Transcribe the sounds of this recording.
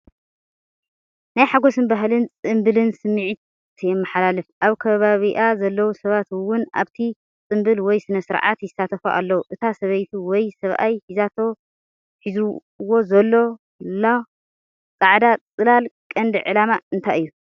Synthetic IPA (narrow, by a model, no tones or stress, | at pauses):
najħaɡo̞sɨnbaɦlɨnt͡sʼɨmbɨlɨnsɨmːɨʕit̪ | t̪ʰjɛmːɐħalalɨfʔaβkʰɐβaβiʔazɐlːɐwusɐβat̪wʊnʔa̰βt̪ʰi | t͡sʼɨmbɨlwɔjsɨnɐsɨɾʕa̰t̪jɪsat̪ʰɐfo̰ʔa̰lːɐwuʔɨt̪ʰasɐβɐjt̪ʰuwɔjsɐβʔa̰jħizat̪ʰo̞ | ħizu | wo̞zɐlːo̞ | la | t͡sʼaʕd̪at͡sʼɨlalkʼɐnd̪ɨʕɨlamaɨnt̪ʰajɨjːu